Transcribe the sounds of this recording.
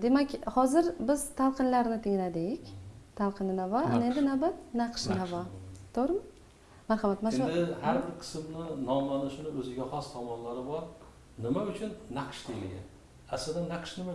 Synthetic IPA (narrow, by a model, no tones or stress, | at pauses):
d̪e̞makʲhɒzɪɾbɪz̥t̪ʰalˠqʰɨnlaɾnɪt̪ʰɪŋlad̪ɪkʲt̪ʰalˠqʰɨnɪnavɒanɪe̞nd̪ɪnawbat̪naqʃnavɒt̪ʰoɾm | maɾhɑmat̪maɪhaɾbɪɾqʰɨ̥smnɪnɒmlanɪʃʊnɪɵzɪɡʲaχɒst̪ʰɒmɒnlaɾɪbɒɾ | nɪmaʊt͡ʃʰʊnːaqʰʃt̪ʰɪjlɪ̰ɡʲa̰ | aslɪd̪anːaqʰʃnɪma